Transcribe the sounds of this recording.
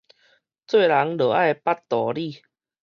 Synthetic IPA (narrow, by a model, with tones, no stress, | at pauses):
t͡swe˥˨jla˨˦ŋlɤː˨˩ʔa˥˧jpa˦˥tt̪ɔ˨˩˦li˥˧˨